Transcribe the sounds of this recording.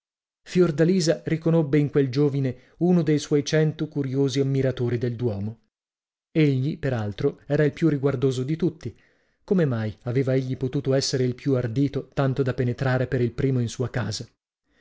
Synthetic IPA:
fjord̪aliːzarikonobːeiŋkweld͡ʒoːvine | unod̪ejswɔjt͡ʃɛnt̪okuɾjoːziamːiɾat̪oːɾid̪eld̪wɔːmo | eʎːipeɾalt̪ɾoɛːɾailpjuriɡward̪oːzod̪it̪ut̪ːi | komemajaveːvaeʎːipot̪uːt̪oɛsːeɾeilpjuard̪iːt̪ot̪ant̪od̪apenet̪ɾaːɾepeɾilpɾiːmoinsuːakaːza

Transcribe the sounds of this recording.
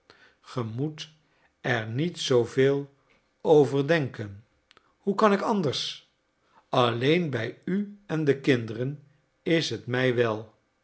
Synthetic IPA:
χəmut | ɛɹnitsowveːlˠ | owvəɹdɛŋkən | hukɑnɪkɑndəɹs | ɑlejnbɛjyɛndəkɪndərən | ɪsɦətmɛjʋɛlˠ

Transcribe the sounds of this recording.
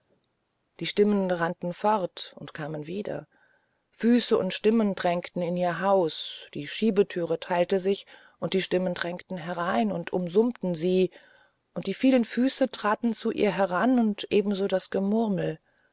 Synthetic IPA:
d̥iːʃtɪmənʁantn̩fɔʁtʔʊntkʰaːmənviːdɐ̰ | fyːsəʔʊ̰ntʃtɪməndʁɛŋktn̩ɪniːɐɦaʊsd̥iːʃiːbətʰyːʁ̞ətʰaɪltəzɪç | ʔʊnt̚d̥iːʃtɪməndʁɛŋktn̩ɦɛʁaɪnʊntʰʔʊmzʊmtn̩ziː | ʔʊntd̥iːfiːlənfyːsətʁ̥aːtn̩t͡suʔḭːɐɦɛʁanʊntʔeːbm̩zoːdasɡ̥əmʊʁml̩

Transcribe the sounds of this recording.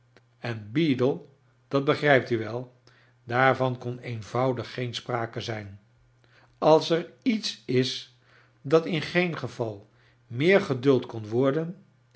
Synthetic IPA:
ɛnbiːdəlˠ | d̥ɑd̚bəχrɛjp̚tyʋɛlˠ | daːɹvɑnkɔnejnvʌwdəχːejnspraːkəzɛjn | ɑlˠsɛɹitsɪs | dɑtɪnχejnχəvɑlˠ | mɪːɹχədɵlˠtkɔnʋɔɹdən

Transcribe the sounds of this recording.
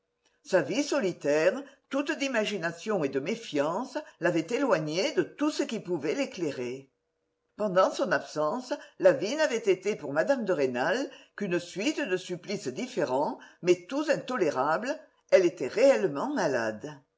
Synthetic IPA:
savisɔlit̪ɛʁət̪ut̪d̪imaʒinasjɔ̃ed̪əmefjɑ̃səlavɛt̪elwaɲed̪ət̪usəkipuvɛlekleʁe | pɑ̃d̪ɑ̃sɔ̃napsɑ̃səlavinavɛt̪et̪epuʁmad̪amd̪əʁenalkynəsɥit̪əd̪əsyplisəd̪ifeʁɑ̃mɛt̪uzɛ̃nt̪ɔleʁablə | ɛlet̪ɛʁeɛləmɑ̃mala̰d̪

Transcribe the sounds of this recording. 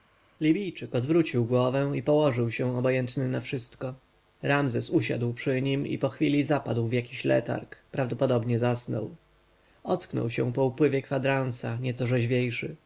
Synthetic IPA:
lʲibʲijt͡ʂɘkɔd̪vɾut͡ɕiwɡwɔvɛ̃ipɔwɔʐɘwɕɛ̃ɔbɔjɛnt̪nɘnafʂɘst̪kɔ | ɾamzɛsuɕa̰d̪wpʂɘɲimḭpɔxfʲilʲizapad̪wvjakʲiɕlɛ̰t̪a̰ɾkpɾavd̪ɔpɔd̪ɔbɲɛzasnɔ̰w | ɔt̪sknɔ̰wɕɛ̰̃pɔupwɘvʲjɛkfad̪ɾansaɲɛt̪sɔʐɛʑvʲjejʂɘ

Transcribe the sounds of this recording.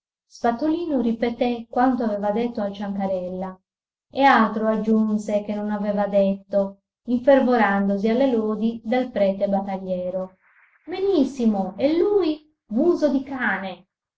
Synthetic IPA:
spat̪ːoliːnoripet̪ekːwant̪oavɛːvad̪et̪ːoalt͡ʃaŋkaɾɛlːa | ealt̪ɾoad͡ʒːunsek̟enːonavɛːvad̪et̪ːo | iɱfervoɾand̪ozialːeloːd̪id̪alpɾɛːt̪ebat̪ːaʎːɛːɾo | benisːimoɛlːuːj | vuːzod̪ikaːne

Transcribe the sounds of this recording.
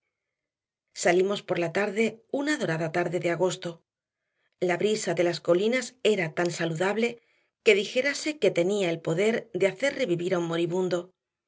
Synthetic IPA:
salimo̞spo̞ɾlat̪aɾðe̞unaðo̞ɾaðat̪aɾðe̞ðeaɣ̞o̞st̪o̞ | laβɾisaðe̞lasko̞linase̞ɾat̪ansaluðaβle̞ | ke̞ðixe̞ɾase̞ke̞t̪e̞niaelpo̞ðe̞ɾðe̞aθe̞ɾre̞βiβiɾaummo̞ɾiβund̪o̞

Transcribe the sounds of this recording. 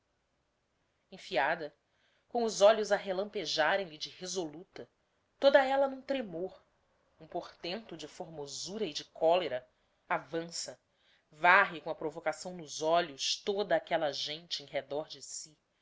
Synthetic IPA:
ẽj̃fiad̪ɐ | kõw̃ʊzɔʎʊzaɦelɐ̃mpeʒaɾẽj̃lɪd͡ʒɪhezolut̪ɐ | t̪od̪ɐɛlɐnũt̪ɾemoɾ | ũpoɾt̪ẽnt̪ʊd͡ʒɪfoɾmozuɾɐɪd͡ʒɪkʰɔleɾɐ | avɐ̃sɐ | vaɦɪkõɐpɾovokasɐ̃w̃nʊzɔʎʊst̪od̪ɐːkɛlɐʒẽt͡ʃɪẽj̃ɦed̪ɔɾd͡ʒɪsi

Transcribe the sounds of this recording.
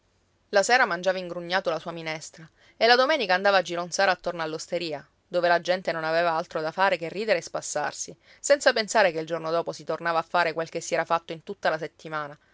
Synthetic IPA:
lasɛːɾamand͡ʒaːvaiŋɡɾuɲːaːt̪olasuːaminɛst̪ɾa | elad̪omɛːnikaːnd̪aːvaːd͡ʒiɾonsaːɾaːt̪ːornoalːost̪eɾiːa | d̪oːvelad͡ʒɛnt̪enonaveːvaalt̪ɾod̪afaːɾekerːiːd̪eɾeːspasːa̰rsi | sɛnt̪sapensaːɾekeild͡ʒornod̪ɔːposit̪ornaːvaːfːaːɾekwelkesːiɛːɾafat̪ːoint̪ut̪ːalaset̪ːimaːna

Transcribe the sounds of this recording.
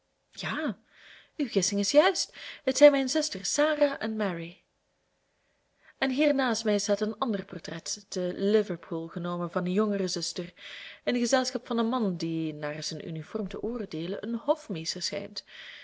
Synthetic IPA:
jaː | yɣɪsɪŋɪsjœɥstɦətsɛjnmɛjnzʏstərsaːraːʔɛnmɛɹi | ɛnɦiːrnaːstmɛjɪsɦətənɑndərpɔrtrɛtd̥əlɪvəɹpʰulˠɣənoːməvɑnəjɔŋərəzʏstərənɣəzɛlˠsxɑpfɑnənmɑndinaːrz̥ənʔy̰nifɔrmtəʔoːrdeːlənʔənɦɔfmeːstəɹsxɛ̰jnt

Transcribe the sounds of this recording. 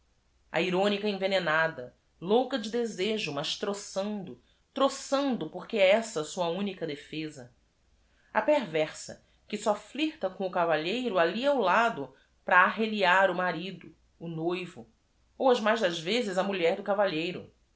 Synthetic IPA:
ɐ̰iɾõnikɐẽvenenad̪ɐ | lowkɐd͡ʒɪd̪ezeʒʊmɐʃt̪ɾosɐ̃nd̪ʊ | t̪ɾosɐ̃nd̪ʊpoχkeɛɛsɐsuɐũnikɐd̪efezɐ | ɐpeɾvɛχsɐ̰ | kɪsɔfliht̪ɐkõʊkavaʎejɾʊaliawlad̪ʊ | pɾɐːɦeliaɾʊmaɾid̪ʊː | nojvʊ | owɐzmajzd̪ɐzvezɪzɐmuʎɛɾd̪ʊkavaʎejɾʊ̰

